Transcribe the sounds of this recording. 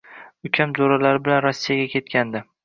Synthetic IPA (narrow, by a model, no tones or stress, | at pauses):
ʊkʲʰamzoɾalaɾɪbɪlanɾɒsːijaɡʲakʲe̞t̪̚kʲand̪ɪ